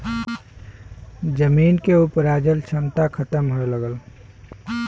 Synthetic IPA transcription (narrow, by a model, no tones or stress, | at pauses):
d͡ʒəmiːnkeupɾaːd͡ʒəlt͡ʃʰənt̪akʰət̪əmɦoeləɡəl